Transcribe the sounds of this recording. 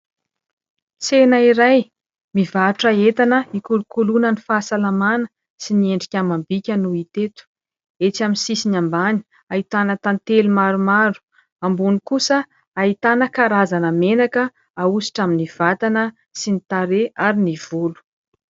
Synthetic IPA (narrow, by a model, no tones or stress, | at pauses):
t͡senaiɾaj | mivaʈ͡ʂaet̪anəikulukulunənifaːsalamanə | sinieɳɖ͡ʐikʲamambikʲənuit̪et̪u̥ | et͡saminsisinambani̥ | ait̪anət̪ant̪elumaɾumaɾu̥ | ambunikusə | ait̪anəkaɾazanəmenakə | ausi̥ʈ͡ʂaminiv̥at̪anə | sinit̪aɾeʔaɾiniv̥ulu̥